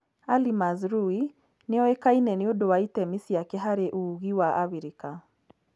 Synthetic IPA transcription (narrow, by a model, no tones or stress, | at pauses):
alimazɾui | neɔekainɛneodowaitɛmisiakɛɦaɾeʔuɣiwaʔaβiɾika